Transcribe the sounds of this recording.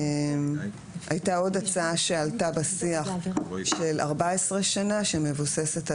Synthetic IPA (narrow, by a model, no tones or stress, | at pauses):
m | ajtao̞dat͡saaʃealtabasiaχʃelʔa̰ʁbaesʁe̞ʃanaʃe̞me̞vuse̞se̞t